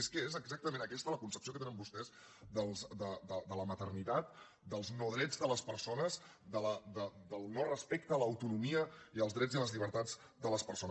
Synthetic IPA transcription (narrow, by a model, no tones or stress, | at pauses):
eskəezəɡzak̚t̪əmẽnəkɛst̪ələkunsəpsiokət̪enəmbust̪ɛz | d̪əlˠzd̪əd̪əd̪ələmət̪ərnit̪at̪̚ | d̪əlˠznɔðɾɛd͡zðələspəɾsonəz | d̪ələd̪əd̪əlˠnɔrəspɛk̚t̪əːləːwt̪unumiəiəlˠzðɾɛd͡ziələzʎiβəɾt̪ad͡z | d̪ələspəɾson